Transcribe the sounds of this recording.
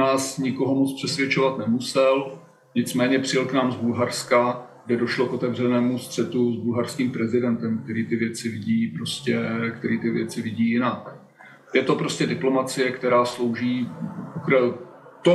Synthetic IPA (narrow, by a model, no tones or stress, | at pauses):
aːsɲɪko̞ɦo̞mot͡spr̝̥ɛsvʲjɛt͡ʃo̞vat̪nɛmusɛl | ɲɪt͡smɛːɲɛpr̝̥ɪlknaːmzbulɦaɾskaɡ̥dɛdo̞ʃlo̞ko̞t̪ɛvr̝ɛnɛːmust̪r̥ɛt̪uzbulɦaɾskiːmpɾɛzɪdɛnt̪ɛmk̚t̪ɛɾiːt̪ɪvjɛt͡sɪvɪɟiːpɾoscɛkt̪ɛɾiːt̪ɪvjɛt͡sɪvɪɟiːjɪnak | jɛt̪o̞pɾoscɛdɪplo̞mat͡sɪjɛkt̪ɛɾaːslo̞wʒiːukɾɛl | t̪o